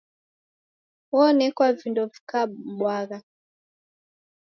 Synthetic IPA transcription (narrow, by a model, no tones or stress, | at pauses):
wɔnɛkwavindɔvi̥kaɓwaɣa